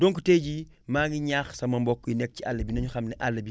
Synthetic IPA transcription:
dɔŋkuteːɟi | maːŋɡiɲaxsɐmɐmbɔkːujinɛk̚cialːɐbinɐɲuxɐmnɛʔalːɐbi

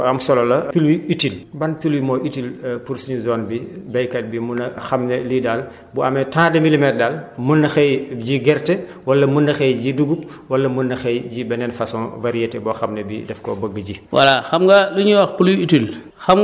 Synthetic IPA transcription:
ɐmsɔlɔlɐpiluiitilbɐnpiluwimɔʔitilpuɾsiɲuzɔːnbibɛjkɐt̚bimunɐxɐmnɛlidal | buɐmɛtãːdɛmilimɛt̚dalmunːɐxɛjɟiɡɛɾtɛ | wɐlːɐmunːɐxɛjɟiduɡup̚wɐlːɐmunːɐxɛjɟibɛnɛnfasɔnvɐɾijɛtɛbɔxɐmnɛbidɛfkɔbəɡːəɟiwa̰laxɐmɡaluɲuwaxpuluitil | xam

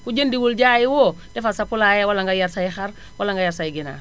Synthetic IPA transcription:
kud͡ʒendiwuld͡ʒajiwo | d̥ɛfasapulajɛwalaŋɡajaɾsajixaɾ | walaŋɡajaɾsajiɡina̰ː

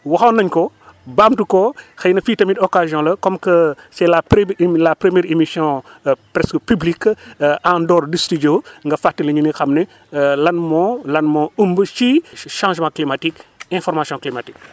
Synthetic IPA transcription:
wɐxɐnɐɲkɔ | bamtukɔxɐjnɐfiːtɐmitɔkazijɔ̃lɐkɔmkəsɛlaplapɾəmjɛːɾemisjɔ̃pɾɛskəpyblikːãndɔrdistiɟoːŋɡɐfatilɐɲunixɐmnɛ | lɐnmɔlɐnmɔumbət͡ʃiʃãʒmãklimatikɛ̃fɔɾmasjɔ̃klimatik̚

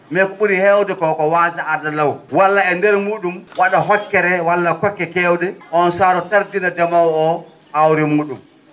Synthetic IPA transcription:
mekɓuɾihɛwdɛkɔkɔwaːsaaɾdalawwalːaɛndɛɾmuːɗumwaɗaɦɔkːɛɾɛwalːakɔkːɛkɛwdɛʔɔnsaːɾɔtaɾdinadamawɔ | ʔawɾimuːɗum

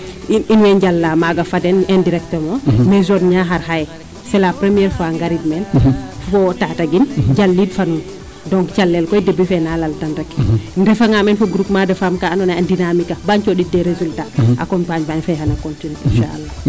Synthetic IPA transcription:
iinwɛɲɟalːamaɡafadɛnɛndiɾɛk̚təmɔmɛzɔdɲaɦaɾhaj | sɛlapɾemiɛɾfɔaŋɡaɾidmɛnfɔtataɡinɟalːidfanun | dɔŋkt͡ʃalːɛlkɔjdebːifɛnalaltanɾɛkndɛfaŋamɛnfɔɡɾukmadɐfamkaːnɔnaandinamikabaɲt͡ʃɔɗidɛɾezultaʔa̰kɔmpaɲbaɲfajɦanakɔntinuḭnʃa̰ʔa̰lːa

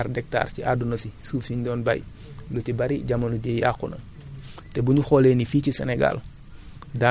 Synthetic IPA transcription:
ɾdɛk̚ta̰ːɾciʔadunosisuːfsiɲdɔːnba̰j | lutibaɾiɟamɐnuɟejakːunɐ̰ | tɛbuɲuxoleːnifiːcisɛ̰neɡa̰l | da

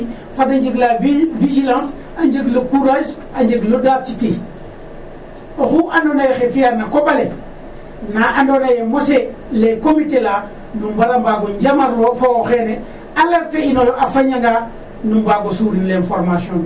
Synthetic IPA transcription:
fadaɲd͡ʒiɡlavid͡ʒilãns | aɲd͡ʒeɡlukuɾad͡ʒ | aɲd͡ʒeɡludasite | oxuʔandonajexefijanakobale | naʔandonajemose | lekomitela | numbalambaɡoɲd͡ʒamaɾlofawoxene | alaɾteinolʔafaɲaŋɡa | numbaɡosuɾinlenfoɾmasion

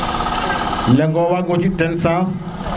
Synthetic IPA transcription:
lɛŋɡɔwaŋɡod͡ʒitɛnsãs

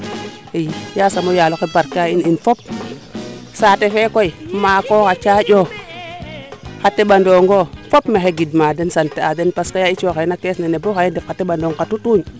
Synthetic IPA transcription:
ijjasamojalokebaɾkaininfop̚ | saːtefekoimaːkokat͡ʃajo | katːeɓandoŋɡofopmexeɡidmaːdensanteadenpaskajait͡ʃokenakesneneboajindefkatːeɓandoŋkatutuɲ

